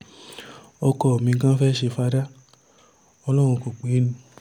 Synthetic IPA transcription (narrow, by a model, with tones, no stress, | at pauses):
ɔ˧kɔ˧˨o˨mĩ˧˦kã˦fɛ˦˨ʃe˧fa˧da˦ | ɔ˧lɔ˦w̃ũ˧ko˨k͡pe˨˦nũ˧˦